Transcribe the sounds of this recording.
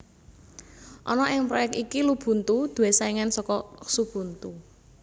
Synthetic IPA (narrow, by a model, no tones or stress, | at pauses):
ʔɔnɔʔɪŋpɾɔjɛk̚t̪ikilub̥ṳnt̪ud̪̥ṳwesaiŋansɔkɔsub̥ṳnt̪u